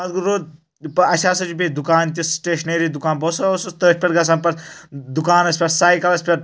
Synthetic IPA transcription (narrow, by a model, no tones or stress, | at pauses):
ɐd̪ɡuɾoːd̪ | ɐɐʃʰaːsɐt͡ʃupʲed̪ukaːnt̪ʲisʈeːʃneːɾiːd̪ukaːnbɐːsɐosɐt̪əːʃʲpʲɐɾɡɐs̬anpɐɾd̪ukaːnɐspʲɐɾsaːjkɐlɐsʲpʲɐɾ